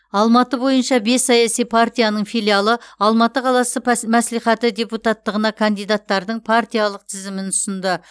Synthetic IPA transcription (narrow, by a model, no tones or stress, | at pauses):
ɑlˠmɑt̪əbo̞jənʃɑbe̞sːɑjɑsijpʰart̪ijanəɴfijlʲˠijalˠəɑlˠmɑt̪əqʰɑlˠɑsəmæslijχæt̪ɪd̪ʲe̞put̪at̪ːəʁənɑkʰand̪ijd̪at̪ːɑɾd̪əɴpʰart̪ijalˠəq̚t̪ʰɪzɪmɪnʊsənd̪ə